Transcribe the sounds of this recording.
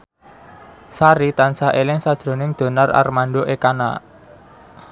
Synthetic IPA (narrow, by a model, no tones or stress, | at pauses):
saɾit̪ansaʔelɪŋsad̥ʒ̥ɾo̤nɪŋd̪̥o̤nara̰rmaɳɖoʔekana̰